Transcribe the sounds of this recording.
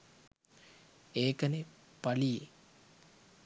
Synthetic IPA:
eːkəne | palije

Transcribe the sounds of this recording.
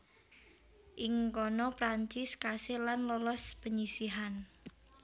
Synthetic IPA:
ʔɪŋkɔnɔpɾaɲt͡ʃɪskasɪlanlɔlɔspəɲisiɦan

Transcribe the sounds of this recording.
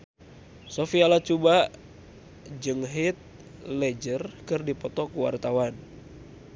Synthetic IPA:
sofialat͡ʃuba | d͡ʒɨŋɦit̪̚ | lɛd͡ʒərkɨrdipɔt̪ɔkuwa̰rt̪awan

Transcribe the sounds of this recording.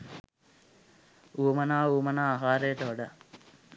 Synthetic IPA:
uːmənaːuːmənaːaɦaːɾejəʈəoɖa

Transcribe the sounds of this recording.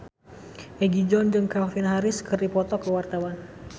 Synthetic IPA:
ʔɛɡid͡ʒɔnd͡ʒɨŋkafinɦaɾɪskərdipɔt̪ɔkəwart̪awan

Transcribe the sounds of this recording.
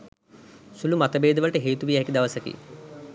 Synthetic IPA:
sulumat̪əbeːd̪əʋəlʈəɦeːt̪uʋijɦɛkid̪aʋəsəkḭ

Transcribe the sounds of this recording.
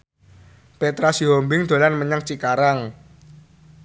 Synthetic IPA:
pet̪ɾasiɦombɪŋd̪̥o̤lanməɲaŋt͡ʃikaɾaŋ

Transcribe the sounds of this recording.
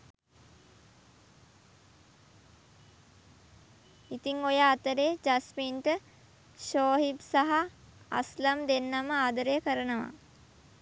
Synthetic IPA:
it̪iŋojəːt̪əɾeːd͡ʒasmiːnʈə | ʃoːɦibsaɦa̰ːsləmd̪enːaməaːd̪əɾejəkəɾənəʋa̰

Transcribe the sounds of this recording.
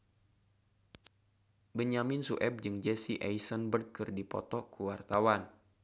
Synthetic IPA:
bəɲamɪnsuʔɛb̚d͡ʒɨŋd͡ʒɛsiʔajsɔnbərd̪̚kɨrdipɔ̰t̪ɔkuwart̪awan

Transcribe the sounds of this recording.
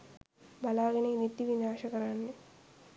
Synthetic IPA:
bɐlaːɡɐnenit̪ːiʋinaːʂɐkɐɾanːe

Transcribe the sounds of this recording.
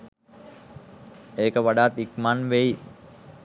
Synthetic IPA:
eːkəʋaɖaːt̪ikmanʋei

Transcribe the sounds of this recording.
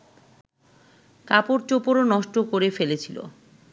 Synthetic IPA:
kapoɾt͡ɕopoɾonɔʃʈokoɾefelet͡ɕʰilo̰

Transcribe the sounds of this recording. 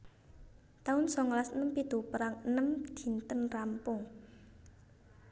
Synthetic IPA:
t̪aʊnsɔŋlasənəmpid̪̥ṳpəɾaŋənəmd̪̥i̤nt̪ənrampʊŋ

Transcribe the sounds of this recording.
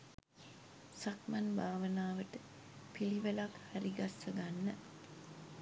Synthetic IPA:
sakmanbaːʋənaːʋəʈə | piliʋəlakhæɾiɡasːəɡanːə

